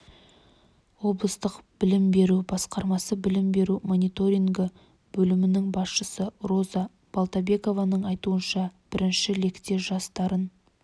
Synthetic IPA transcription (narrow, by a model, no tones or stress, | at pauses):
wo̞blˠəst̪əqb̥ɪlɪmbe̞ɾubɑsqɑɾmɑsəbɪlɪmbe̞ɾumo̞nit̪o̞ɾʲiŋɡə | b̥ɵlɪmɪnɪŋbɑsʃəsəɾo̞zɑ | b̥alˠt̪abe̞ko̞vɑnəɴɑjt̪uənʃɑb̥ɪɾɪnʃɪle̞kt̪e̞ʒɑst̪ɑɾən